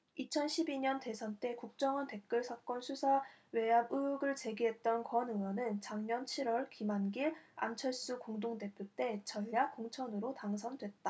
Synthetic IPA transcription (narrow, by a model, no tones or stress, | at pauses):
it͡ɕʰʌnɕʰibiɲʌnte̞sʰʌnt͈e̞kuk̚t͡ɕ͈ʌŋɯnte̞k̚k͈ɯɭsʰak͈ʌnsʰusʰawe̞abɯɯɡɯɭt͡ɕe̞ɡiɦe̞t̚t͈ʌnkwʌnɯwʌnɯnt͡ɕaŋɲʌnt͡ɕʰiɾwʌɭkimanɡiɭa̰mt͡ɕʰʌɭs͈ukoŋdoŋde̞pʰjot͈e̞t͡ɕʌʎːak͈oŋt͡ɕʰʌnɯɾotaŋsʰʌndwe̞t̚t͈a